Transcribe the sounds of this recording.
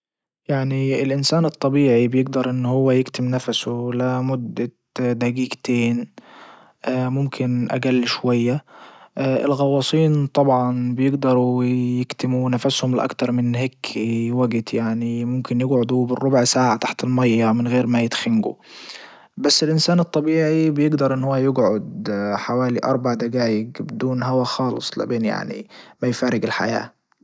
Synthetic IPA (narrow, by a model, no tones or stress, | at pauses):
jaʕniɪlʔɪnsaːnɨt̪ˤːɑbiːʕibjɪɡd̪ɑɾˤʔɪnːhʊwːæjɪkt̪ɪmnafsʊlamʊd̪ːa | d̪æɡiːɡt̪eːn | ʔmʊmkʰɪnʔa̰ɡalːʃwajːaʔʔɪ̰lɣɑwːɑːsˤiːnt̪ˤɑbʕɑnbjɪɡd̪ɑɾˤujɪkt̪ɪmunafashʊmlɪʔɑ̰kt̪ɑɾˤmɪnhɪkʰːiwaɡt̪jaʕnimʊmkɪnjɪɡʕʊd̪ubɪrːʊbʕsaːʕat̪aħt̪ɪlmajːamɪnɣeːɾmajɪt̪xanɡṵ | basːɪlʔɪnsaːnɨt̪ˤːɑbiːʕibɪjɪɡd̪ɑɾˤʔɪnːhʊwːajɪɡʕʊd̪ħawaːliʔɑ̰ɾˤbaʕd̪aɡaːjɪɡbɪd̪uːnɦawaxɑːlɨ̰sˤla̰beːnja̰ʕnḭmajfaːɾɪɡɪlħa̰ja̰ː